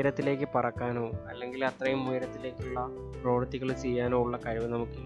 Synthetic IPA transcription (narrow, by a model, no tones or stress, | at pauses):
ɾɐt̪ːile̞ːkːɨpɐrɐkːaːno̞ːɐlːe̞ŋɡilɐt̪rɐjumːujɾɐt̪ːile̞ːkːuɭːɐ | pro̞ːʋɐrt̪ːiɣɐɭt͡ɕijːaːno̞ːuɭːɐkɐɻiʋɐnɐmukːɨ